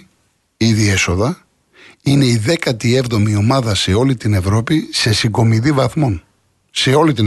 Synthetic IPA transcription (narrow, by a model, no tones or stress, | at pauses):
iðie̞so̞ðɐ | ine̞iðe̞kɐt̪ie̞vðo̞mio̞mɐðɐse̞o̞lit̪ine̞vɾo̞pise̞siɡo̞miðivɐθmo̞n | se̞o̞lit̪i